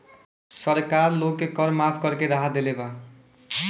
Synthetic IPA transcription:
sʌɾkarlokːekʌɾmapʰkʌɾkeɾaɦad̪eleba

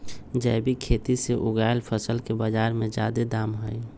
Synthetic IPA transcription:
d͡ʒəɪbʱikʰeːt̪iseʔʊɡaːɪlpʰəsəlkebad͡ʒaːɾmẽd͡ʒa̰ːd̪ed̪aːmɦəi

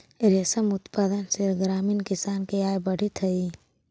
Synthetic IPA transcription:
ɾesəmʊt̪paːd̪ənsɪɾɡɾaːminkɪsaːnkeaːjbɐɽ̤it̪ʰɐi

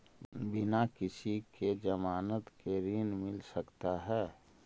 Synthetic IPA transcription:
bɪnakɪsikʰed͡ʒəmaːnət̪keɾiːnmɪlsəkt̪aɦɛː

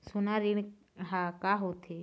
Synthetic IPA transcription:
sunaɾiɳ | ɦãkaɦot̪ʰe

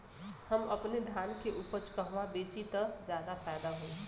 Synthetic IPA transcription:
həmɐpned̪ʱjaːnkeʔuːpəɾt͡ʃkəɦʋabeːt͡ʃit̪əd͡ʒjaːd̪afʰaːd̪aɦoi

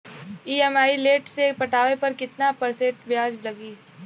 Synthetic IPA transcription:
iːɛmaːileːʈsepɐʈaːʋepɐɾkɪt̪napɐɾseːʈʋjaːd͡ʒlɐɡiː

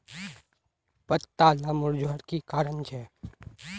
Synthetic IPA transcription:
pət̪ːalamʊɾd͡ʒoɦəɾkikaːɾənt͡ʃʰe

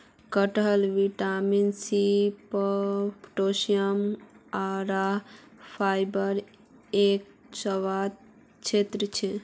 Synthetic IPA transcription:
kəʈəlʋiʈaminsipəpʰʈosijəmaɾapʰajbəɾ | ek̚ | səʋad̪̚ | t͡ʃʰet̪ɾət͡ʃʰɛ

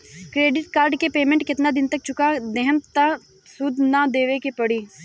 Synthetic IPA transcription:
kɾeːɖɪʈ̚kaːɾɖkepeːmẽɳʈkɪt̪nad̪ɪnt̪ɐk̚t͡ʃʊkad̪ɛɦəmt̪a | sʊd̪ʱnad̪eːʋekepɐɽiː

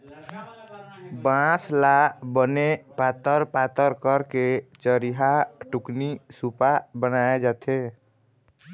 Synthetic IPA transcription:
bãslabənepat̪əɾpat̪əɾkəɾket͡ʃəɾiɦaʈuknisupabənaed͡ʒat̪ʰe

